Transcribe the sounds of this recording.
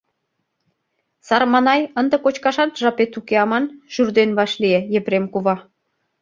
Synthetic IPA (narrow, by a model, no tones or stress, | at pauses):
sɑrmɑnɑjənd̪ə̆kot͡ɕkɑʃɑt̪ʒɑpet̪ukeɑmɑnʒ̥yrd̪enβɑʃliejepɾemkuβɑ